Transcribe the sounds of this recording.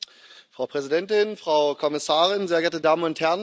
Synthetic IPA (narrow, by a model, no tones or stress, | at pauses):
fʁ̥aʊpʁ̥ɛzidɛntɪnfʁ̥aʊkʰɔmɪsaːʁɪnzeːɐɡɛɐtədaːmənʊnthɛɐn